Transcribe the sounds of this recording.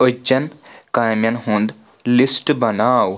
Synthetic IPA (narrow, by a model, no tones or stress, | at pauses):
əd͡ʒɐnkajmjɐnɦũnd̪ | lisʈbɐnaːw